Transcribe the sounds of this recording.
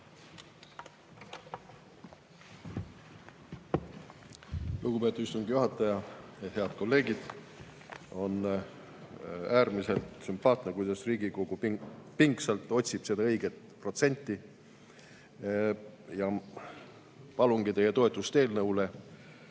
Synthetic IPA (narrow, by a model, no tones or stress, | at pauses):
luɡ̥upe̞t̪ːˑut̪yst̪uŋɡ̥ijuɦɑt̪ːˑɑjɑehe̞ɑd̪̥̚ko̞lːe̞ːɡid̪̥ | o̞n | æːrmise̞lt̪sympɑːt̪ˑnekujd̪ɑsriːɡiko̞ɡ̥uppiŋksɑlt̪ˑo̞t̪ʲsib̥se̞d̪ɑɤ̞jɡet̪ | pro̞t̪se̞nʲt̪ːˑi | jɑ | pɑluŋɡ̥it̪e̞jet̪o̞e̞t̪ːˑust̪e̞ːlnɤwle